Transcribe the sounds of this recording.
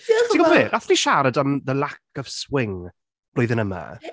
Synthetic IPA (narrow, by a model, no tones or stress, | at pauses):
tʰiɡɔvɛːʔaθd̥iʃaɾədamðəlakʰəv̥swɪŋ | b̥loːðə̃nəmə̰